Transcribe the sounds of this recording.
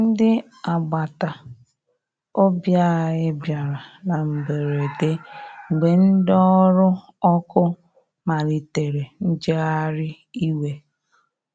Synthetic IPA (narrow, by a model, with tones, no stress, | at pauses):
n̩˦dɪ˦ | a˨ɡ͡ba˨ta˨ | o˦bja˦˨ɣɪ˦bja˨ɾa˨na˨m̩˨be˨ɾe˨te˦ŋ͡m̩˨ɡ͡be˨n̩˦dɔ˦ɾʊ˦ | ɔ˦kʊ˦ | ma˨ɾi˨te˨ɾe˨n̩˦d͡ʒe˦a˦ɾɪ˦ | i˦we˦